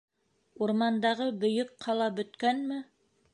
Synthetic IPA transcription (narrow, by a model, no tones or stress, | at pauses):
uɾmɑnd̪ɑʁɤbɵ̆jɵk̚qʰɑlˠɑbɵ̆t̪kænmɘ